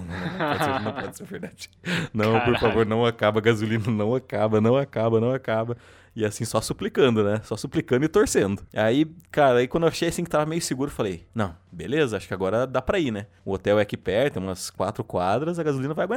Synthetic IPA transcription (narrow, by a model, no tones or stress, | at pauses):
nɐ̃nɐ̃pɔd͡ʒsenɐ̃w̃pɔd͡ʒɪseɾveɾd̪ad͡ʒnɐ̃w̃poɾfavoɾnɐ̃w̃akabɐɡazulĩnɐnɐ̃w̃akabɐnɐ̃w̃akabɐnɐ̃w̃akabɐ | ɪasĩsɔsuplikɐ̃nd̪ʊnɛsɔsuplikɐ̃d̪ʊɪt̪oɾsẽnd̪ʊaikaɾɐaikwɐ̃d̪ewaʃejɐsĩkɪ̥t̪avɐmejʊsɪɡuɾʊefalejnɐ̃w̃belezɐaʃʊ̥kɪaɡɔɾɐd̪apɾɐinɛ | ʊot̪ɛwɛɐkipɛɾt̪ẽũmɐskwa̰t̪ɾʊkwad̪ɾɐzɐɡazulĩnɐvajɐɡwẽa